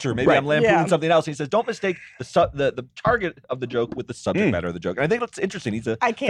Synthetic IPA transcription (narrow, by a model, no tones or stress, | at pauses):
ʃʰʊmeɪiãɪ̃mlæ̃æ̃sʌ̃mθɪ̃ŋɛlˠsɨ̃nisɛzdõʊ̃nmɨsteɪk̚ðɨsʌðɨðətʰɑɹɡɨɾʌvðɨd͡ʒoʊkwɨðɨsʌb̚d͡ʒɨk̚b̥ɛ̰ɾə˞ʌvðɨd͡ʒoʊkɨ̃naθɪ̃ŋkɨtsɪ̃nt͡ʃɹ̥ɨstɪ̃ŋnidzɨaɪkʰ